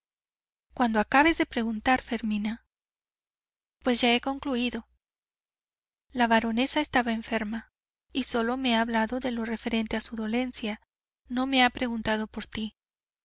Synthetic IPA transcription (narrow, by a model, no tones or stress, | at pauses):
kwand̪o̞akaβe̞zðe̞pɾe̞ɣunt̪aɾfe̞ɾmĩna | pwe̞zʝae̞ko̞ŋkluiðo̞ | laβaɾo̞ne̞saest̪aβaeɱfe̞ɾma | iso̞lo̞me̞aːβlaðo̞ðe̞lo̞re̞fe̞ɾe̞nt̪e̞asuðo̞le̞nsja | no̞me̞apɾe̞ɣunt̪aðo̞po̞ɾt̪i